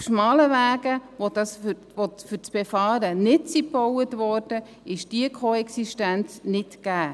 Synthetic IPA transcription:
fʃmɑːləʋæːɡəʋodɑsf | ʋofyɾt͡sb̥efɑːɾənɪtt͡sipɔwətʋɔːɾd̥ə | ɪʃd̥iəkʰoɛksiʃtænt͡snɪtkæː

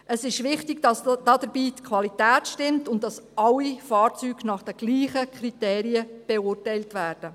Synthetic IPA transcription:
ʔəsɪʃʋɪχtɪɡd̥ɑsd̥ɑdəɾbiːtkʰʋɑlitæːtʃtɪmtʊndɑsʔɑlːifɑːɾt͡syːɡnɑχd̥ɛɡ̥liːχəkʰɾiteːɾiəb̥ɛʊrtɛjltʋæːrd̥ə

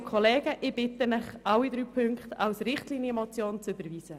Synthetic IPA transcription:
kʰɔleːɡəʔɪb̥ɪtənɪχawid̪ɾyːpʰʏŋkχtawsɾɪχtliːnjəmot͡sjoːnt͡sʏbəɾviːz̥ə

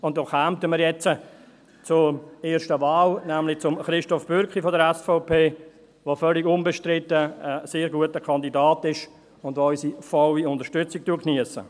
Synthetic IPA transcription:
ʊnt̚dɔχhamtəmiːɾjɛt͡sə | t͡sʊɾeːɾʃtəvaːlnæmlɪt͡sʊmχɾɪʃtɔfb̥ʏɾkχifɔdəɾɛsfɔʊpʰeː | ʋofœlɪɡʊnbɛʃtɾɪtːəəseːɾɡuətəkʰɑndidaːtɪʃ | ʊndʋoɔʏsifɔwiʊndəɾʃtʏt͡sɪk̚tuəkʰniəsə̰

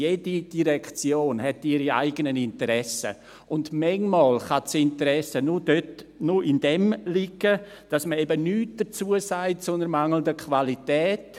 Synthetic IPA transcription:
jeːdid̥iɾɛkt͡sjoːnɦɛtiɾia̰ɪɡənənɪntəɾɛsə̰ | ʔʊndmɛŋmɑːlχat͡sɪntəɾɛsənʊd̥øtnʊɪnd̥ɛmlɪɡə | d̥ɑsməɛbənyːt̚d̥ət͡suːəsaɪtsonəɾmaŋl̩ndəkʰvalitɛːt

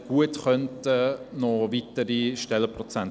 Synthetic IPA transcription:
ɡ̥uətχœntənɔʋitəɾiʃtɛlːəprɔt͡sæn

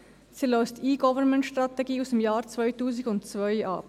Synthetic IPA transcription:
siløʏstiːɡɔvənmɛntʃtʁ̥ɑtɛɡiːusdemjaːɾt͡svœʏtuːzɪɡʊntt͡svœʏɑ̰p

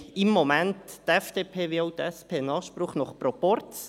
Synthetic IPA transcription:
ɪmːomæntːɛfd̪̥eːpʰeːʋɪaʊt̪ɛspʰeːnɑːχʃpɾʊχnɔχprɔpɔɾtt͡s

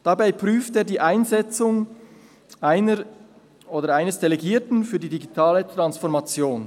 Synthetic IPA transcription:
d̥abaɪpʁyːfteːɐdiːʔaɪnzɛt͡sʊŋ | ʔaɪnə | ʔoːdəɾaɪnəsd̥eleɡiːɐtn̩fyːɐdiːdiɡitʰaːlətɾansfɔʁmat͡sjoːn

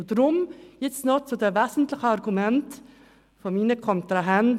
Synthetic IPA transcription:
t̪ɾʊmjɪt̪snɔt̪sɔd̪eʋeːsn̩t̪lɪxəɑɾɡʉmɛnt̪ | fɔmiːnəkʰɔnt̪ɾɑɦɛn

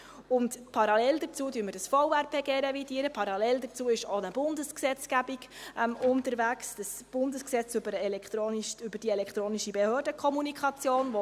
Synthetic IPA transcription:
ʊntpʰɑɾɑlɛld̪ət͡suːdyːɾməɾdəsfɔʊæɾpʰeːɡeːɾevidiːəɾəpʰɑɾɑlɛldət͡suːɪʃonəb̥ʊndəsksɛt͡sɡ̥æbiɡmʊntəɾʋæksd̥əsb̥ʊndəsksɛt͡sʏbəɾɛlɛkχt̪ɾoːnʃʏbəɾd̥iːɛlɛkχt̪ɾoːniʃibehøːrdəkʰχɔmunikχɑt͡sjoːnvɔ

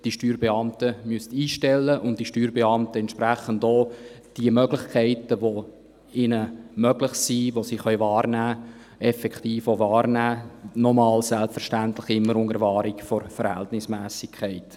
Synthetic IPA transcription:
d̥iʃtyːɾbeɑmtəmyəstiːʃtɛlːəʔʊnd̥iʃtyːɾbeɑmtəɛntʃpɾæχəndɔː | d̥iəmœɡlɪχkʰɛɪtəʋo | ɪnəmœɡlɪχsiːʋosiχœʏvɑːrnæː | ɛfɛkχtiːfovɑːrnæːnɔmɑːlsɛlpfəɾʃtæntlɪχɪmːəɾʊŋəɾvɑːɾikfɔɾfəɾhɛ̰ltnɪsmæːsɪkʰɛɪt

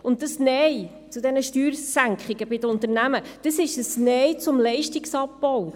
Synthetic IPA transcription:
ʊntdəsnɛj | t͡sud̪ɛnəʃtyːɾsæŋkχɪɡəbɪdəʊntəɾnæməd̥əsɪʃəsnɛjt͡sʊmlɛɪʃtiksɑpːɔw

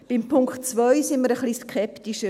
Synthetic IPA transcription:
b̥ɪmpʰʊŋktt͡svœʏsɪnməɾəχliːskʰɛptiʃə

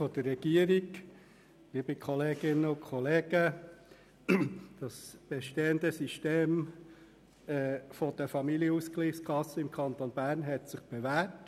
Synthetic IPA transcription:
fɔd̥̪ərːɛɡ̥iəɾiɡ | liːbəkʰɔleːɡɪnəʊkʰɔleːɡ̥ə | d̥ɑsb̥ɛʃteːənd̪əsiʃteːm | ɛfɔd̥əfɑmilijəuskliːχskʰɑsəɪmkʰɑnt̪onbæːɾnɦɛtsɪχb̥evæːt

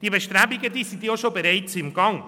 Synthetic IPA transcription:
d̥iːbeʃtɾɛːbɪɡədiːsintjɑʃobeɾaɪtt͡sɪmɡɑŋ

